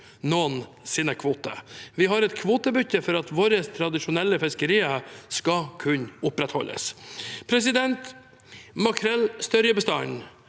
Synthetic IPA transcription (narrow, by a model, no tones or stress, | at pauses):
noːn | sɪːnəkʰʋuːt̪ə̰ʋɪɦɑɾɛt̪kʰʋuːt̪əbʏtːəfɔɾɑt̪ʋoːɾəst̪ʰɾɑd̪ɪʂʊnɛlːəfɪskəɾiːəskɑkʰʉɲʊpɾɛt̪hɔ̰lʔə̰spʰɾɛs̬ɪd̪ɛnt̪ | mɑkʰɾɛlst̪œɾjəbəst̪ɑn